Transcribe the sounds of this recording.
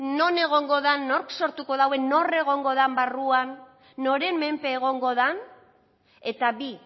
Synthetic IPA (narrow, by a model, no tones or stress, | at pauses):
no̞ne̞ɣ̞o̞ŋɡo̞ðanːo̞ɾkso̞ɾt̪uko̞ðawe̞no̞re̞ɣ̞o̞ŋɡo̞ðambaruanː | o̞ɾe̞mmempe̞ːɣ̞o̞ŋɡo̞ðan | e̞t̪aβi